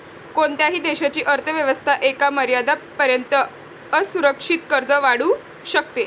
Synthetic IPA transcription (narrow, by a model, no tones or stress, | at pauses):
koɳt̪jaɦiːd̪eɕat͡ɕiːʔəɾt̪ʰəʋjəʋəst̪ʰaʔekaməɾjad̪apːəɾjənt̪ə | əsuɾəkʂit̪kəɾd͡zəʋaɽuː | ɕək̚t̪e